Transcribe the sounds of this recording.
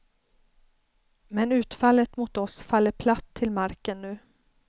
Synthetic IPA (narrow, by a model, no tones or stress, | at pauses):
mɛnʉ̟ːt̪falːət̪mʊt̪ɔsfalːəɾpʰlat̪ʰːɪlmaɾkənːʉ̟ː